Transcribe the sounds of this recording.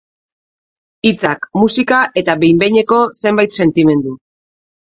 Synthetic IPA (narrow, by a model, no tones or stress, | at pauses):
it͡sakmusikaʔe̞t̪abe̞jmbe̞jɲe̞ko̞se̞mbajt̪se̞nt̪ime̞nd̪u